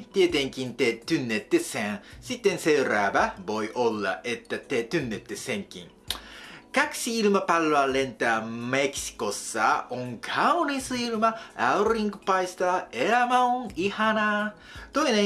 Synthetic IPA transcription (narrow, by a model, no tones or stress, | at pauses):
t̪iet̪ẽŋkint̪et̪ynːet̪ːesæ̃sit̪ːense̞ɾaːbævo̞jʔo̞lːa̰ʔe̞t̪ːæt̪eːt̪ynːet̪ːesẽŋkḭ̃ŋ | kaksiilɯmapalːoale̞nt̪aːmeksi̥ko̞sːaʔoŋkʰawnisɨilɯmaawriŋɡɯpajst̪aeamaoŋihana | t̪o̞inẽ